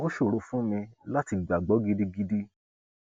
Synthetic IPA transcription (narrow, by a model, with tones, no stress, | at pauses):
o˦ʃo˦˨ɾo˨˧fũ˦mĩ˧la˦ti˧˨ɡ͡ba˨ɡ͡bɔ˨˦ɡi˦di˦ɡi˦di˦